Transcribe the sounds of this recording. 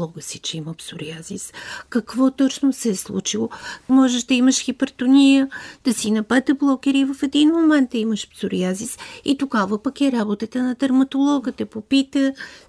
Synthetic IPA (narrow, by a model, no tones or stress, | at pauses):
ɔɡəsit͡ʃɛiməpsʊɾiaziskɐkvɔt̪ɔt͡ʃnosɛɛslˠṵt͡ʃilˠomɔʒɛʃd̪ɐiməʃxipəɾt̪ʊnʲijəd̪̥ɐsinɐpɛt̪əblˠɔkɛɾivɐfɛd̪inmomɛnt̪̚d̪ɐiməʃpsʊɾiazisit̪oɡavəpəkɛɾabot̪ət̪ənɐd̪ɐɾmɐt̪olˠɔɡət̪ɛpopit̪ə